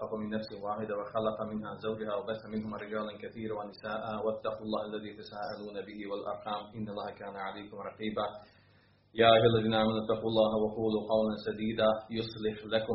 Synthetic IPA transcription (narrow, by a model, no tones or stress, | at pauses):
ɑqɑmɪnːafsɪwaːħɪd̪awaxalɑqɑmɪnhaːzawd͡ʒahaːwabaθːamɪnhʊmaːɾɪd͡ʒaːlankaθiːɾawanɪsaːʔawat̪ːɑqulˤːɑːhʔalːaðiːjat̪asaːʔaluːnabɪhɪwalʔɑ̰ɾˤħaːmʔɪnːalːɑːhkaːnaʕalajkʊmɾˤɑqiːba | jaːʔajʊʔalːaðiːnaʔaʕːmanuʔat̪ːɑquʔɑlˤːɑːhwɑquːluːqɑwlansad̪iːd̪aːjʊsˤlɪħlakʊ